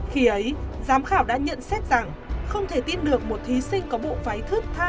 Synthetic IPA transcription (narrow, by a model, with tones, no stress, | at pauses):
xi˨˦ʔə˨˦jzaː˨˦mxaː˧˩wɗa̰ː˧˥ɲə̰˧˨nsɛ˦˥t̚z̥a˨˩ŋ | xə˧wŋ͡mt̪ʰe˧˩t̪i˧nɗɨ˨˩ək̚mo˨˩t̚t̪ʰi˨˦sï˧ŋ̟kɔ˨˦ɓo̰˧˨faː˨˦jt̪ʰɨ˦˥k̚t̪ʰaː˧